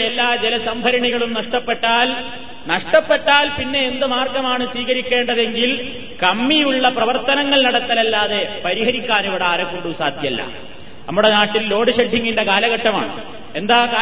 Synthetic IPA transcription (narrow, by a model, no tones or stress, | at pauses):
elːaːd͡ʑelɐsɐmbʱɐɾɐɳiɣɐɭumnɐʂʈɐpːe̞ʈːaːl | nɐʂʈɐpːeʈːaːlpinːe̞ːnd̪ɨmaːrɡɐmaːɳɨsʋiːɣɐɾikʲːe̞ːɳɖɐðe̞ŋɡil | kɐmːijuɭːɐprɐʋɐrt̪ːɐnɐŋːɐɭnɐɽɐt̪ːɐlɐlːaːðe̞pɐɾiɦɐɾikʲːaːniʋɐɽeaːɾɐkːoɳɖusaːd̪ʱjɐlːɐ̰ | nɐ̰mːuɽe̞naːʈːilːo̞ːɽɨɕɐɖʱːiŋːinɖekaːlɐɣɐʈːɐma̰ːɳɨ | e̞nd̪aːkaː